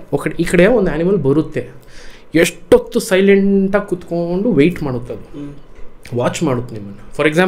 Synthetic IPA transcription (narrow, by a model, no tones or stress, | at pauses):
okɐɽeʔiːkɐɽejaond̪uaːnimɐlbɐɾut̪ːe̞ | eʂʈːot̪ːusɐjleɳʈaːɡkut̪ko̞ɳɖuʋejʈmaːɽut̪ːɐd̪u | ʋaːt͡ʃmaːɽut̪ːunimːɐnːɐfʰɐɾeksaː